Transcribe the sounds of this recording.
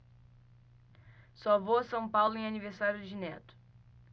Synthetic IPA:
sɔvowɐsɐ̃w̃pawlʊẽj̃aniveɾsaɾjʊd̪ɪd͡ʒɪnɛ̰t̪ʊ̥

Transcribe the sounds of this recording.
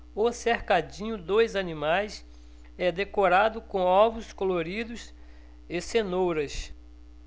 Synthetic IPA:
ʊseɾkad͡ʒĩɲʊd̪ojzɐnĩmajs | ɛd̪ekoɾad̪ʊkõɔvʊskoloɾid̪ʊs | esenowɾɐs

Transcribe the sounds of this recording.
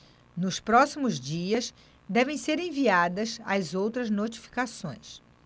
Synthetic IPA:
nʊspɾɔsimʊzd͡ʒiɐs | d̪ɛvẽj̃seɾẽviad̪ɐzajzowt̪ɾɐznot͡ʃi̥fi̥kasõj̃s

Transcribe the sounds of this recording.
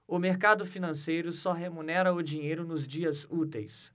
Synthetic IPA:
ʊmeɾkad̪ʊfinɐ̃sejɾʊsɔɦemũnɛɾɐʊd͡ʒiɲejɾʊnʊzd͡ʒiɐzut̪ejs

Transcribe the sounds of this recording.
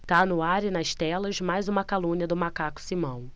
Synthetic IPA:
t̪anʊaɾɪnɐʃt̪ɛlɐzmajzũmɐkalũniɐd̪ʊmakakʊ̥simɐ̃w̃

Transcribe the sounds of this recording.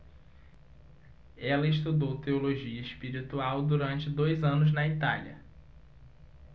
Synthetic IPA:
ɛlɐɪʃt̪ud̪owt̪eoloʒiɐispiɾit̪uawd̪uɾɐ̃nt͡ʃɪd̪ojzɐ̃nʊznɐit̪aljɐ̰

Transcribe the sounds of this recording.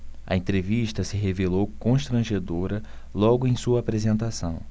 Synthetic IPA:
ɐ̰ẽnt̪ɾeviʃt̪ɐsɪɦevelowkõʃt̪ɾɐ̃ʒed̪oɾɐ | lɔɡʊẽj̃suɐaːpɾezẽnt̪asɐ̰̃w̃

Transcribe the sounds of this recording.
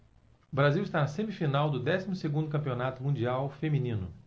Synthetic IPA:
ʊbɾaziwɪst̪anɐsẽmifinawd̪ʊd̪ɛsimʊseɡũd̪ʊkɐ̃pionat̪ʊmũd͡ʒiawfemĩnĩnʊ

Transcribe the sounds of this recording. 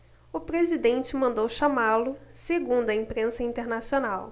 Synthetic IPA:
ʊpɾezid̪ẽnt͡ʃɪmɐ̃nd̪owʃamalʊseɡũnd̪ʊɐĩpɾẽsɐĩnt̪eɾnasionaw

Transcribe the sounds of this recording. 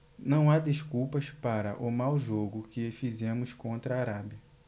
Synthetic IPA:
nɐ̃w̃ad̪eʃkuwpɐspaɾɐʔʊmawʒoɡʊkɪfizẽmʊskõnt̪ɾɐːɾabjɐ

